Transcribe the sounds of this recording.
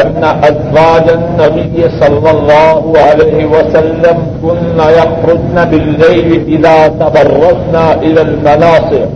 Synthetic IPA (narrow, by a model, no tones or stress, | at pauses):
aːaʔazwaːd͡ʒɐnːɐbɪjːɪsɑlːɑlˤːɑːɦʊʕalɐjɦɪwɐsɐlːɐm | kʊnːajɑxɾʊd̪nabɪlːajlɪʔɪðaːt̪ɐbɑrˤːɑd̪naːʔɪlaːlmɐnɑːsˤɨk